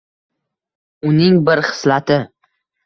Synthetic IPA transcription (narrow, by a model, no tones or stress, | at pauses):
ʊnɪŋbɪɾχɪ̥slat̪ʰɪ